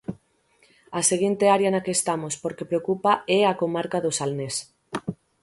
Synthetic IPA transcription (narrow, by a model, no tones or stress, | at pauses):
aseɣint̪eaɾjɐnakeːst̪amospoɾkepɾeokupaɛakomaɾkaðosalnes